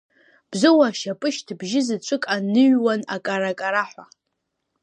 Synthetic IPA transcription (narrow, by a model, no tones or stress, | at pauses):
b̥zɨwaʃapʼɨʃtʰbʒɪzɨt͡ʃʷʼɨkʼanɨɥwanakʼaɾakʼaɾaħʷa